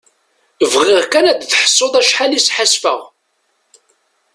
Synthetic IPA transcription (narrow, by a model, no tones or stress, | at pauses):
əvʁɪʁkænæd̪θħə̥sˤːoðˤæʃħalisħasfə̰ʁ